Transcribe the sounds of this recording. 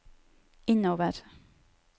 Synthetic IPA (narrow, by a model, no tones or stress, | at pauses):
ɪnoːʋəɾ